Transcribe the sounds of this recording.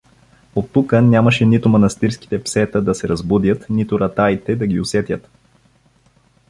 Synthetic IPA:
ot̪ːukənʲaməʃɛnit̪ʊmɐnɐst̪iɾski̥t̪ɛpsɛt̪əd̪ɐsɛɾɐzbud̪jət̪nit̪ʊɾɐt̪ajt̪ɛd̪ɐɡʲiʊsɛt̪jət̪

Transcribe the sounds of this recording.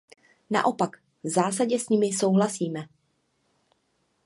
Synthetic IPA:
na̰ʔo̞pak | vzaːsaɟɛsɲimɪso̞wɦlasiːmɛ

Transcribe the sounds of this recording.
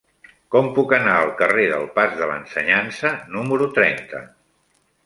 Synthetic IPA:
kɔmpukənaəlˠkəreðəlˠpazðələ̰nsəɲansənuməɾut̪ɾɛnt̪ə

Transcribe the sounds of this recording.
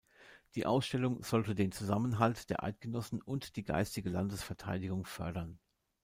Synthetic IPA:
d̥iːʔa̰ʊsʃtɛlʊŋz̥ɔltədeːnt͡suzamənɦaltd̥eːɐʔa̰ɪt̚ɡ̥ənɔsn̩ʊntd̥iːɡa̰ɪstɪɡəla̰ndəsfɛɐtʰa̰ɪdɪɡʊŋfœɐɾɐn

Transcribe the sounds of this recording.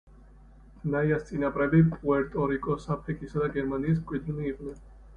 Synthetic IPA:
naiast̪sʼinapʼɾɛbipʼuɛɾt̪ʼɔɾikʼɔsapʰɾikʼisad̪aɡɛɾmaniːs̬mkʷʼwid̪liːqʼnɛn

